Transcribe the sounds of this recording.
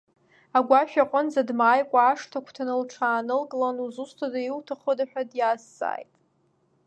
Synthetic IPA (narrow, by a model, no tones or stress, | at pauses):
aɡʷaʃᶣaqʼʊnzadmaːjkʷʼaːʂtʰakʷʰtʰanɨlʈ͡ʂʰaːnɨlkʼlanuzustʰadailtʰaχodaħᶣʷadjaːsːa̰ːjtʼ